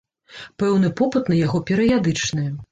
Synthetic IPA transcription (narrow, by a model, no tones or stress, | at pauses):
pɛwn̪ɨpɔpɨt̪nɐjaɣɔpʲɛɾɐjad̪ɨt͡ʂnɨɛ